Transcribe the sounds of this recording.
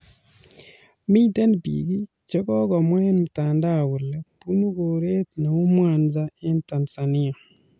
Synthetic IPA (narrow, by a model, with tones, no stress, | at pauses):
mi˦tɛ˦npḭ˨ɡi˦ | t͡ʃɔ˦kɔ˦ɡɔ˨mwɛ˦nmu˨ta˨nda˦˨wu˨lɛ˦pu˦nu˦ɡo˨ɾe˦t̪na˨u˦mwa˨nza˦ɪ˦nta˨nsa˨ni˦a˨